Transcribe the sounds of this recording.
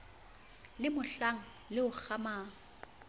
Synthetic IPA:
lɪmʊɬaŋ̩ | lɪʊk͡xʰamaːŋ̩

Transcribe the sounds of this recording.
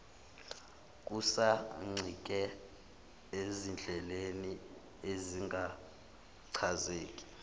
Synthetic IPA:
k̬ʼusaŋ͡ǀʱik̬ʼɛ | ezind͡ɮʱɛleni | eziŋɡʱa | ǀʰazeːkʼi̥

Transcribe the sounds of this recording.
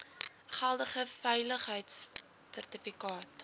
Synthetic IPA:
χælˠdəχəfɛjləχɦəjts | særtəfikɑːt

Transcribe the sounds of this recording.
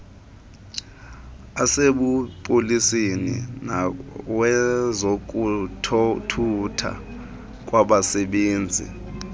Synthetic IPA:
aseɓupʼolisenḭnawɛzok̬ʼutʰtʰutʰa̰ | k̬ʼwaɓasɛɓeːnd͡zʱḭ

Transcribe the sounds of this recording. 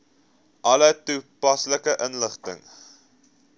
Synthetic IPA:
ʔɐlətupɐsləkəʔənləχtə̰ŋ

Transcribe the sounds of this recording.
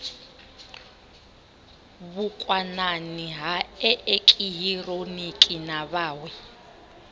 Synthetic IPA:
βukʼwananiɦaɛʔekʼiɦironikʼinaβaːwɛ

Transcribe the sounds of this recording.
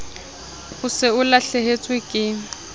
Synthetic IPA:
pʼʊsɪʊlaɬehet͡sʼwɪkʼɪ

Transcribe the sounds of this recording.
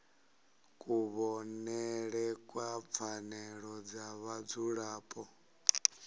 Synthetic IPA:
kʼuβɔnɛɺɛkʼwap̪fʰanɛɺɔd͡zaβad͡zuɺaːpʼɔ

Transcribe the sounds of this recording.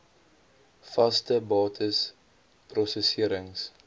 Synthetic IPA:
fɐstəbɑːtʰəs | prɔsəsiəɾəŋs

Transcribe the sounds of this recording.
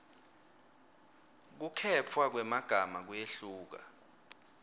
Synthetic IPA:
k̬ukʰɛt͡fʰwak̬wɛmaɡ̥ʱamak̬wjeɬuːk̬a̰

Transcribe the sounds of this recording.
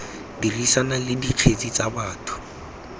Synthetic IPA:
dirisanalɪdiq͡χʰet͡sʼit͡sʼabaːtʰʊ̥

